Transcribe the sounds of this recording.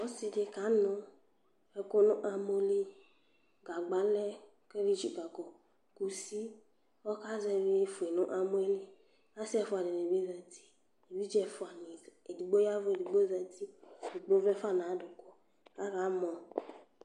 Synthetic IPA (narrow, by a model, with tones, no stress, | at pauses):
ɔ˦si˧de˧ka˨˦nʊ˨ | ɛ˧ko˦nʊ˦ʔa˧mo˦li˦ | ɡa˨ɡ͡ba˨˦lɛ˦ | ke˦ɾi˦t͡ʃu˨ka˨kɔ˨ | ku˨si˦ | ɔ˦ka˦zɛ˧βi˦e˦fu˨e˨nʊ˦ʔa˦m˦e˦li˦ | a˦si˦ɛ˦fʊ˨˦a˨dɛ˨n˨e˨bi˦za˨ti̥˦ | e˨bi˦d͡ʒɛ˦fʊ˨a˨ni˨e˨di˨ɡ͡bo˦ja˦vʊ˦e˨di˨ɡ͡bo˦za˧ti˦˨i˨ɡ͡bo˦vɛ˦fa˦˨n˨a˨˦dʊ˨ko˦ | ka˨˦ka˨˦mɔ˨